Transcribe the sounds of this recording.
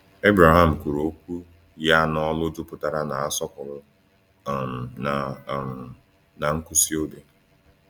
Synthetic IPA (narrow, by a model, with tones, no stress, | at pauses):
e˦bɾa˨ɦa˨m̩˨kʷu˨ɾo˨˦k̚ʷu˦ | ja˦nɔ˦lʊ˦dʊ˦pʊ˦ta˨ɾa˦na˨a˦sɔ˦kʊ˨ɾʊ˦˨ | m˨na˨ | na˨ŋ̩˦ku˦si˦o˦be˨